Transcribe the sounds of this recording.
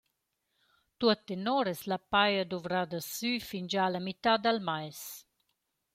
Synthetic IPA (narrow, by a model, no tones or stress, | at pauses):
t̪uət̪enɔɾɛslapajəd̪uvɾad̪əsyfind͡ʒalamit̪ad̪almajs